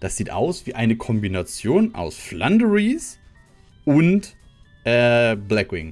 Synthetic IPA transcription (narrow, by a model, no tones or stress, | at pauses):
d̥asz̥iːtʔa̰ʊsv̥iːʔaɪnəkʰɔmbinat͡sjoːnʔa̰ʊsflandəʁis | ʔʊnt | ʔɛːblɛkɪŋ